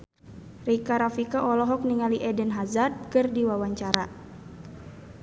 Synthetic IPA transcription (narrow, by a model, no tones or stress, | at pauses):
rikaɾafikaʔɔlɔɦɔk̚niŋaliʔɛdənɦazat̪̚kɨrdiwawaɲt͡ʃaɾa